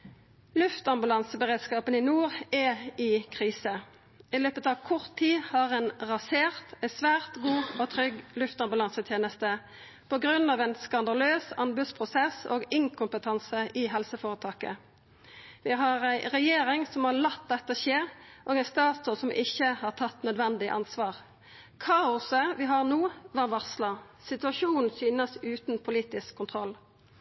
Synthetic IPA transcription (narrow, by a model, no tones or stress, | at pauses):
lʉft̪ɑmbʉlɑnsəbəʁeːd̪skɑːpənɪnuːʁɛɪkʰʁiːsə | ɪløːpət̪ɑʋkʰɔʁt̪ʰːiːhɑʁɛːnʁɑseːʁt̪ɛsʋæːʁt̪ɡuːoːt̪ʰɾʏɡlʉft̪ɑmbʉlɑnsət̪ʰjeːnəst̪ə | pɔɡʁʉnːɑːʋɛnskɑnd̪ɑløːsɑnbʉt̪spʰʁʊsɛso̰ːɡɪŋkʰʊmpət̪ʰɑnsəʔɪɦɛlsəfoːʁət̪ʰɑːkə̰ | ʋɪɦɑʁæɪʁɛjeːɾɪŋsɔmɑʁlɑt̪̚d̪ɛt̪ːəʃeːʁʔoːɡæɪst̪ɑːt̪sɔsɔmʔɪçːəhɑːʁt̪ʰɑt̪ːnœd̪ʋɛnd̪ɪʔɑnsʋɑːʁ | kʰɑːʊsəʋɪɦɑʁnuːʋɑːʁʋɑʁslɑ | sɪt̪ʉɑʂuːnn̩syːnəsʉːt̪n̩pʰʊliːt̪ɪskʰːʊnt̪ʰʁɔlː